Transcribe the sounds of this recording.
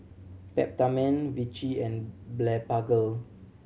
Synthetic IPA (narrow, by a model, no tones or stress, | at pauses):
pɛ̰p̚tamɛ̃nvit͡ʃiɛ̃nblɛpaɡəl